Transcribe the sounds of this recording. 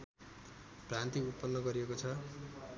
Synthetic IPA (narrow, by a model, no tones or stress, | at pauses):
prant̪iupːʌnːʌɡʌɾiekot͡sʰʌ